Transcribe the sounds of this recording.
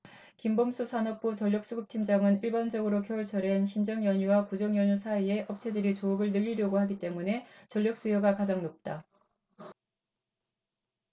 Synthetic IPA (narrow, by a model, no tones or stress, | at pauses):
kimbomsʰusʰanʌk̚p͈ut͡ɕʌʎjʌk̚s͈uɡɯp̚tʰimd͡ʑaŋɯniɭbʌnd͡ʑʌɡɯɾokjʌʌɭt͡ɕʰʌɾenɕʰind͡ʑʌŋjʌɲuwakud͡ʑʌŋjʌɲusʰaie̞ʔʌp̚t͡ɕʰedɯɾit͡ɕoːɡɯɭnɯʎːiɾjʌɡohaɡit͈e̞mune̞t͡ɕʌʎjʌk̚s͈ujoɡakad͡ʑaŋnop̚t͈a